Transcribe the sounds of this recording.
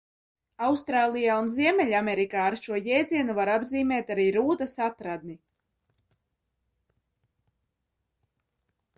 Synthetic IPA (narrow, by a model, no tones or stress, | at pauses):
awst̪ɾaːlˠijaːunziɛmʲɛʎʲamʲɛɾikaːɾʃuɔjɛːd̪ziɛnuvaɾabziːmʲɛːt̪aɾiːɾuːd̪asat̪ɾad̪̚ni